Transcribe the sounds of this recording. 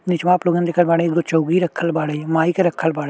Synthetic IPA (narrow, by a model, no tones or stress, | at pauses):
nɪt͡ʃmaːploːɡãnd̪eːkʰəlbaːɽẽɡ̪ot͡ʃəuɡiːɾəkʰːəlbaːɽeːmaːiːkeɾəkʰːəlbaːɽe